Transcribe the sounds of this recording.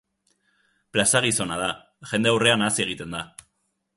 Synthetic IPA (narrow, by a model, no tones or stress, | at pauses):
plasaɣiso̞nað̞a | ʝe̞nd̪e̞awre̞anasie̞ɣ̞it̪e̞nd̪a